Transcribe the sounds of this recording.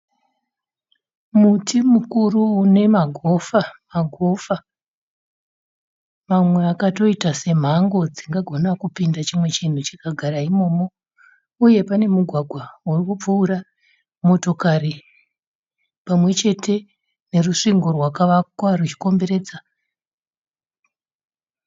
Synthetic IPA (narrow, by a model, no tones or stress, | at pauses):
mutimukuruːne̞maɡʱo̞famaɡʱo̞fa | mamwe̞akato̞itase̞m̤aŋɡo̞d͡ziŋɡaɡʱo̞nakupindat͡ʃimwe̞t͡ʃin̤ut͡ʃikaɡʱaɾaimo̞ːmo̞ | uje̞pane̞muɡʱwaɡʱwaurikup͡fuːɾa | mo̞to̞kari | pamwe̞t͡ʃe̞tʰe̞ | ne̞ruʂiŋɡo̞rwakaʋakwarut͡ʃi̥ko̞mbe̞ɾe̞ːd͡za